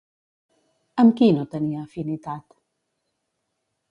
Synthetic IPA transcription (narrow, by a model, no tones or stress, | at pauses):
əmkinot̪əniaːfinit̪at̪